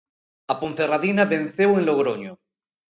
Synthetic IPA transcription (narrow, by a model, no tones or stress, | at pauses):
apon̟θeraðinaβẽn̟θewenloɣɾoɲo